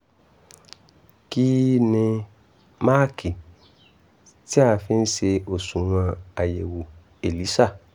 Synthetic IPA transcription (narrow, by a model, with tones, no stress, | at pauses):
ki˦nĩ˧ | maː˦ki˨ | ti˦a˦˧fi˧˦˧n̩˦ʃe˧o˨sũ˨w̃ã˧a˨je˨wu˨ | e˨li˨˦ʃa˦˨